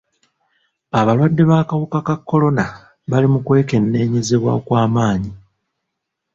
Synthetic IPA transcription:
aβalwadːe̞βaːkawukakakːo̞lo̞na | βalimukwe̞ːke̞nːe̞ːɲe̞ze̞βwa̰kwaːmaːɲi

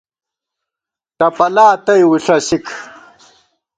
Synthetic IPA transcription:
ʈ̪ɐpɐlaːt̪ɐjwuɬɐsikʰ

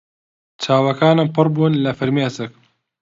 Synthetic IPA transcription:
t͡ʃʰaːwɐkaːnɨmpɨrˤbuːnlɐfɐɾmeɐsɨk̚

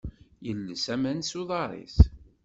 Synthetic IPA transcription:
jəlːəsæmænsuðˤɑɾˤḭθ

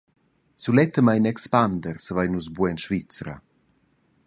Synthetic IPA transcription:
sulɛt̪əmajnɛkspand̪ərsəvajnuzbuɛnʃvit͡sɾə̰

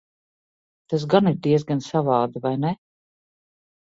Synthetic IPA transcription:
t̪as̬ɡaniɾd̪iɛs̬ɡansavɑːd̪avajnɛ

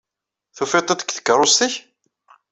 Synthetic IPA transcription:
θufet̪ˤːɑt̪ə̥kʷθə̥kːɾˤost̪əç

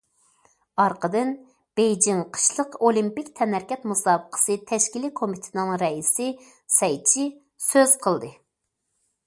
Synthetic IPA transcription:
ɑɾqʰəd̪ɨn | b̥ejd͡ʒiŋqʰə̥ʃlˠəqolˠimpikʲt̪ʰɛnæɾkʲɛt̪musɑːbəqʰə̥sɨt̪ʰɛʃkʲilikʰomit̪ʰɪnɪŋɾɛisɪ | sɛjt͡ʃʰi | søz̥qʰəlˠd̪ɨ

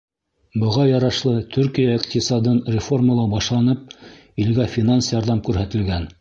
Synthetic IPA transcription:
bɤ̆ʁɑjɑɾɑʃlˠɤt̪ʰʉɾkijaiqt̪ʲɪsɑd̪ɤnrʲɪfo̞rməlˠɑbɑʃlˠɑnɤp̚ | ilɡæfʲinansjɑɾðɑmkʉɾɦæt̪ɘ̆lɡæn

